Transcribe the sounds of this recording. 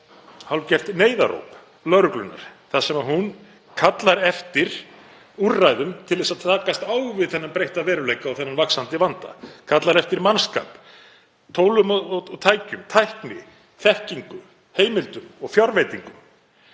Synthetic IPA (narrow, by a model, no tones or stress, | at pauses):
halcɛft̪neːjða̰ɾo̰wp | lœɾʏklʏnːa̰ɾ̥θasɛmaðɦun | kʰat̪laɾɛft̪ɪɾ̥ | urːajðʏmt̪ʰɪlðɛsaðt̪ʰaːkast̪aːwɣvɪðθɛnːampɾejht̪avɛːɾʏlejkaːwθɛnːanvaksant̪ɪvant̪a̰kʰat̪laɾɛft̪ɪɾmanska̰ːp | t̪ʰoːwlʏmɔɔt̪ʰaːjcʏmt̪ʰajhknɪ | θɛhciŋkʏ | heːjmɪlt̪ʏmɔɣfjaɾvejt̪iŋkʏ